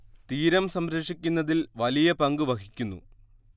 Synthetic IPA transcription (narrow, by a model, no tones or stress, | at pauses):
t̪iːɾɐmsɐmɾɐʂikʲːunːɐðilʋɐlijɐpɐŋɡɨʋɐkʰikʲːunːṵ